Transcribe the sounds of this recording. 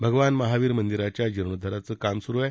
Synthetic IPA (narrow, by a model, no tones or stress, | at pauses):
bʱəɡʋanməɦaʋiːɾmənd̪iɾat͡ɕjad͡ʑəɾɳəd̪ʱəɾat͡səːkamsuɾuɛ